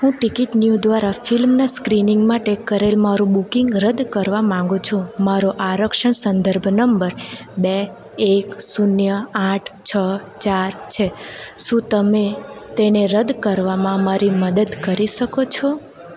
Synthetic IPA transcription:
ɦũʈikiʈnjud̪ʋaɾafɪlmnaskɾinĩŋɡmãʈekkːəɾelmaɾũbukiŋɡɾəd̪kəɾʋamãŋɡũt͡ʃʰũmaɾoʔaɾəkʃəɳsənd̪əɾbʱnəmbəɾ | beː | ksunjəaʈʰt͡ʃʰət͡ʃaɾt͡ʃʰeʃũt̪əmet̪eneɾəd̪kəɾʋamãmaɾiməd̪əd̪kəɾiʃəkot͡ʃʰo

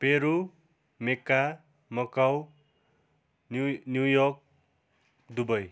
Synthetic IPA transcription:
peɾu | mekːa | mʌkaw | njujɔk̚ | d̪ubʌj

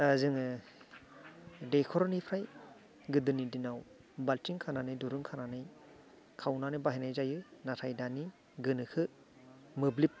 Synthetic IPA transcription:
azɯŋɯ | dekʰɔɾɔnipʰɾaj | ɡɯdɯnidinaw | baltiŋkʰananɯjduɾɯŋkʰananɯj | kʰawnanɯbaɦijnajzajɯnatʰajdani | ɡɯnɯkʰɯ | mɯblip̚

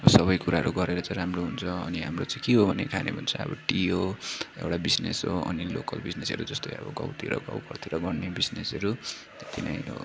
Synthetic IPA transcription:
sʌβʌjkuɾaɦʌɾuɡʌɾeɾʌt͡sãjɾamroɦunt͡sʰʌːniɦamrot͡sãj̃kiɦobʱʌnḛkʰanebʱʌnt͡sʰʌʌ̰bʌ̰ʈiɦoḛwɽabid͡znesɦoʌnilokʌlbid͡znesʌ̰ɾud͡zʌst̪ojʌ̰bʌɡʌ̰wt̪iɾʌ̰ɡʌ̰wpʌrt̪ʰiɾʌɡʌɽnebid͡znesʌɾu | et̪ina̰jɦo̰

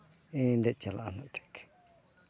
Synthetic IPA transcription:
ĩnd̪et͡ʃala̰ʔan̥ãʈ͡ʂe̥ke̥

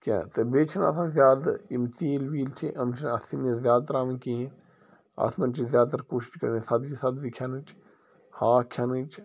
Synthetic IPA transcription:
kʲã̰t̪ɐbeːt͡ʃʰɐnɐ̰sʰãːzʲjaːd̪imt̪iːlʋiːlt͡ʃʰiʔɐmt͡ʃʰɐnɐsinizjaːd̪̚t̪ɐɾaːmɐ̃kiːẽ | ɐ̰smɐnt͡ʃʰizjaːd̪̚t̪ɐɾkoːʃi̥ʃkɐɾnisɐbd͡ʒisɐbzikʰjanɨt͡ʃ | haːkʰʲanɨt͡ʃ

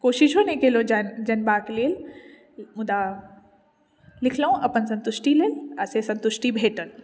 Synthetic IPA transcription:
koːʃiʃɦonekelõd͡ʒənd͡ʒɐnbakleːl | mʊd̪a | lɪkʰləõɐpənsə̃nt̪ʊʃʈileːləsesɐ̃nt̪uʃʈibʱeːʈəl

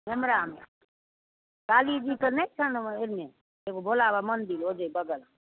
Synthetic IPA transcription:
ɦemɾam | kalid͡ʒit̪ənəjt͡ʃʰəneɾme | eɡobʱolabamənd̪ilod͡ʒəjbəɡəla

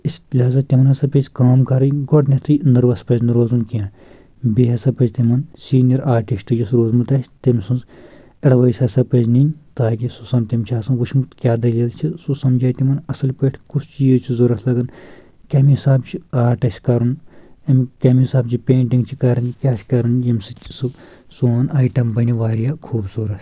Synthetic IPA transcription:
islʲɦaːzat̪imɐnɐsɐpet͡ʃʲkaːmkɐɾɐnɡoʈʰnʲɐt̪ʰɨnɐɾʋɐspɐznɾoːzunkijãː | beːɦɐsɐpɐd͡ʒt̪imɐnsiːnijɐɾaːɾʈiʃʈ̪ɨd͡ʒɐsɾoːzmut̪ɐsʲt̪ɐmʲsunz | ɐɽʋɐjsʲɐsɐpɐd͡ʒninʲt̪aːkisusɐmt̪imʲt͡ʃʰiaːsɐnɡut͡ʃʰmut̪kʲaːd̪ɐliːlt͡ʃʰisusɐmd͡ʒaːjt̪imɐnɐsɐlpeʈʰkusʰt͡ʃiːzt͡ʃʰizoɾɐt̪ʰlɐɡɐn | kʲɐmiɦisaːbt͡ʃʰiaːɾʈɐsʲkɐɾunɐmkʲɐmiisaːb̚t͡ʃʰipeːɳʈĩŋɡt͡ʃʰikɐɾɐnkʲaːsʲkɐɾunjɐmsit͡ʃsu | suaːnaːjʈɐmbɐniʋaːɾijaːkʰuːbsuːɾɐt̪

